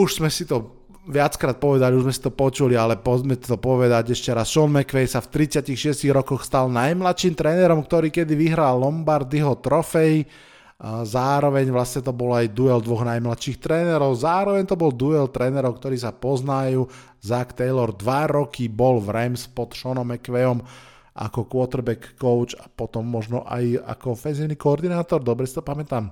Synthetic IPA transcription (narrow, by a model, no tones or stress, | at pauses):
uʒz̥mɛsit̪ɔ | ʋɪat͡skɾaːt̪̚pɔʋɛd̪aliuʒzmɛsi̥t̪ɔpɔt͡ʃulialɛpɔzmɛt̪ɔpɔʋɛd̪aɟɛʃcɛɾasʃɔnmɛkʋɛjsaft̪ɾit͡sɪacixʃɪɛsciɣɾɔkɔxst̪alnajmlat̪ʃiːmt̪ɾɛːnɛɾɔmk̚t̪ɔɾiːkɛd̪iʋiɦɾalːɔmbaɾd̪iɦɔt̪ɾɔfɛj | zaːɾɔʋɛɲʋlasɲɛt̪ɔbɔlajd̪uɛld̪ʋɔɣnajmlat̪ʃixt̪ɾɛːnɛɾɔʊzaːɾɔʋɛɲt̪ɔbɔld̪uɛlt̪ɾɛːnɛɾɔʊkt̪ɔɾiːsapɔznajuː | zakt̪ɛjlɔɾd̪ʋaɾɔkibɔlvɾɛmspɔt̪ʃɔnɔmɛkʋɛɔm | ʔa̰kɔkʋɔt̪ɛɾbɛkːɔʊt͡ʃapɔt̪ɔmːɔʒnɔʔa̰ja̰kɔfɛnziːniːkɔɔɾd̪inaːt̪ɔɾd̪ɔbɾɛsit̪ɔpamɛt̪am